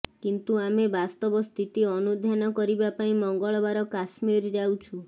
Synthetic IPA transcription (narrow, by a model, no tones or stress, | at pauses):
kint̪uamebast̪ɔbɔst̪ʰit̪iɔnud̪ʱjanɔkɔɾibapaĩmɔŋɡɔɭɔbaɾɔkasmiɾd͡ʒawt͡ʃʰu